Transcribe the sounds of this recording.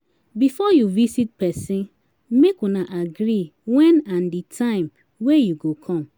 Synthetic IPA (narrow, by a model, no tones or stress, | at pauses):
bifɔjuvisit̚pɛsĩn | mekɔnaʔaɡɾiwɛ̃nãnditʰãɪ̃m | wejuɡokʰɔ̃m